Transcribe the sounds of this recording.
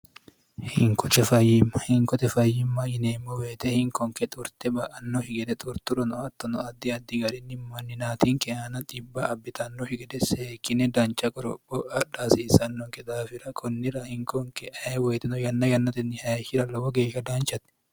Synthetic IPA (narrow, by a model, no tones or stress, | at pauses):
hɪŋkʰɔt͡ʃɛfɐjːɪmɐhɪŋkɔt̪ɛfɐjːɪmːɐjɪneːmːɔweːt̪ɛhɪŋkɔŋkɛt̪ʼʊɾt̪ɛbɐʔɐnːɔhɪɡɛd̪ɛt̪ʼʊɾt̪ʊɾɔnɔɐt̪ːɔnɔɐd̪ːɪɐd̪ːɪɡɐɾɪnːɪmɐnːɪnaːt̪iŋkɛʔanɐt̪ʼɪbːɐʔɐbːɪt̪ɐnːɔhɪɡɛd̪ɛseːkːɪnɛd̪ɐnt͡ʃɐkʼɔɾɔ̰pːɔʔɐᶑasiːsɐnːɔŋkɛd̪aːfɪɾɐkʰɔnːɪɾɐhɪŋkɔŋkɛʔɐɛwɛːt̪ɛnɔjɐnːɐjɐnːɐt̪ɛnːɪhɐjɐʃɪɾɐlɐwɔɡeːʃːɐd̪aːnt͡ʃɐt̪ɛ̥